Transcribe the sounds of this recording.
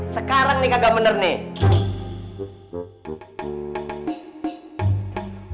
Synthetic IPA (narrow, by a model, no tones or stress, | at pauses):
səkaɾaŋnikaɡabənərne